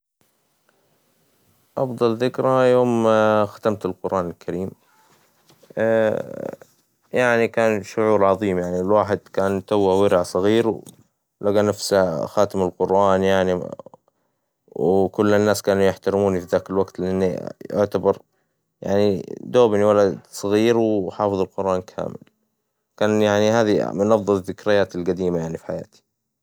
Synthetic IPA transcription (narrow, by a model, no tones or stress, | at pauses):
ʔɑfd̪ˤɑlðɪkɾajoːmxḁt̪amt̪ɪlqʊɾʔaːnɪlkʰaɾiːm | jaʕnikaːnʃʊʕuːɾʕɑðˤiːmjaʕnilwaːħɪd̪kaːnt̪awːawɪɾɪʕsˤɑɣiːɾw | laɡanafsaxaːt̪ɪmɪlqʊɾʔaːnjaʕni | wkʊlːɪnːaːskaːnujɪħt̪aɾɪmuːnifiðaːkɪlwaɡt̪lɪʔanːiʊ̰ʕt̪abɑɾˤ | ja̰ʕnid̪oːbniwalad̪sˤɑɣiːɾwħɑːfɨðˤɑlqʊɾʔaːnkʰa̰ːmɪ̰l | kaːnjaʕnihaːðimʊnʔɑðˤːɑðːɪkɾɪjaːt̪ɪlɡad̪iːmajaʕnifi̥ħaja̰ːt̪i̥